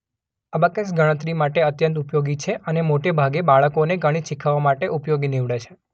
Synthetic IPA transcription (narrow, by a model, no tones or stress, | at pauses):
abəket͡ʃɡəɽ̃ət̪ɾimaʈeət̪jənt̪upjoɡit͡ʃʰeʔənemoʈebʱaɡebaɭəkoneɡəɽ̃iʃikʰəʋamaʈeʔupjoɡiniʋɽet͡ʃʰe̥